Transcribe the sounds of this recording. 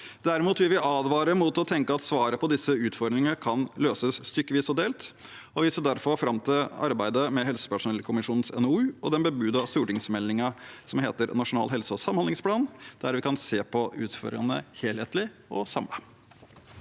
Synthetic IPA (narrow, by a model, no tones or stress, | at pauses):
d̪æɾɪmuːt̪ʋɪlʋɪʔɑːd̪ʋɑːɾəmuːt̪ɔt̪ʰɛŋkəɑt̪sʋɑːɾəpʰɔd̪ɪsːəʉːt̪fɔɾd̪ɾɪŋəəkʰɑnløːsəsːt̪ʏkːəʋiːsɔd̪eːlt̪ | ɔʋɪsəd̪æɾfɔɾfɾɑmt̪ʰɪlɑ̰ɾbæɪd̪əmɛɦɛlsə̥pæʂʊnɛləkʰʊmɪʂuːnənsɛ̰nʉːɔ̰d̪ɛnbəbʉːd̪ɑʋst̪ʉːʈɪŋsmɛlːɪŋɑsɔmheːt̪əɾnɑʂʊnɑ̰ːlɦɛlsəɔsɑmːhɑnd̪ɪŋspʰlɑːnd̪̥æɾʋɪkɑnseːpʰɔʉ̰ːt̪fɔɾɑ̰nə̰heːlheːt̪lɪʔɔsɑmə